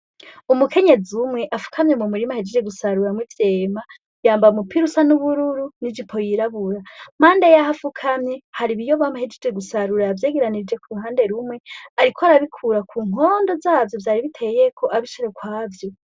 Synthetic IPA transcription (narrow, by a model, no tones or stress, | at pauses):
umukʰe̞ɲe̞zumŋe̞ʔafu̥kʰamɲemumuɾimahid͡ʒed͡ʒeɡusaɾuɾamwivje̞ːma | jaːmbaumupiɾusanuβuɾuɾunid͡ʒipʰo̞jiɾaβuɾam̥aːndejaɦafukʰamɲehaɾiβijoβamahid͡ʒed͡ʒe̞ɡusaɾuɾavje̞ːɡeɾanid͡ʒe̞kuɾuɦaːnde̞ɾumŋe̞aɾikʰoaɾaβikʰuɾakʰuːŋ̥o̞ndo̞zaːvjo̞vjaːɾiβitʰe̞jjekʰoʔaβiʃiɾe̞kwaːvjo̞